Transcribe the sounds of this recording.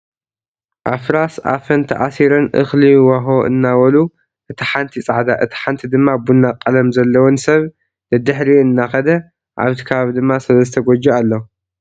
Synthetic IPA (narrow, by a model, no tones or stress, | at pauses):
ʔafɾasa̰fɐnt̪ʰɐ̰ʔasiɾɨnʔɨ̰xliwaɦoʔɨ̰nːawɐlu | ʔɨt̪ʰiħant̪ʰit͡sʼaʕd̪aʔɨt̪ʰi̥ħant̪ʰid̪ɨmːabunːaqʼːɐlɐmzɐlːɐwɔnsɐβ | nɐd̪ɨħɾiɨnːaxɐd̪ɐ | ʔa̰βt̪ʰi̥kʰɐβaβid̪ɨmːasɨlɐzɨt̪ʰɐɡɔd͡ʒoalːo